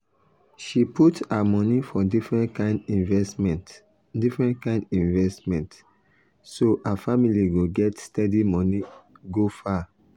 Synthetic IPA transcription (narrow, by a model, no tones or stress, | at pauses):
ʃiputamɔnifɔdifɹɛ̃ntkãɪ̃ndĩnvɛsmɛ̃nt | difɹɛ̃ntkãɪ̃ndĩnvɛstmɛ̃nt | sohafamiliɡoɡɛtstɛdimɔ̃niɡofa